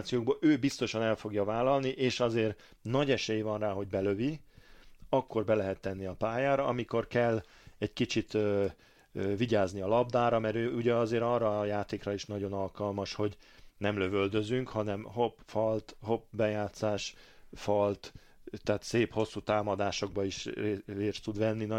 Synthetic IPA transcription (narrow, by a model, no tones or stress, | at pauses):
t̪sijoːɡ̚boːʔøːbist̪o̞ʃɒnɛlfo̞ɡjɒvaːlɒlniʔeːʃɒzeːr | nɒɟɛʃɛjivɒnraːɦo̞ɟ̚bɛløvi | ɒkːo̞rbɛlɛɦɛt̪ːɛnːiɒpaːjaːɾɒɒmiko̞rkɛlː | ɛɟkit͡ʃit̪øː | øviɟaːzniɒlɒb̚d̪aːɾɒmɛɾøːuɟɛɒzeːɾɒrːɒjaːt̪eːkrɒiʃnɒɟo̞nɒlkɒlmɒʃho̞ɟnɛmløvøld̪øzyŋkhɒnɛmhopfɒlt̪ho̞pbɛjaːt̪saːʃ | fɒlt̪ | t̪ːɛːt̪seːpho̞sːuːt̪aːmɒd̪aːʃo̞ɡ̚bɒiʃrreːst̪ud̪ʋɛnːin